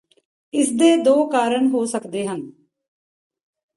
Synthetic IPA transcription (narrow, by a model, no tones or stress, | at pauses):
ɪsd̪eːd̪oːkaːɾəɳɦoːsəkd̪eːɦən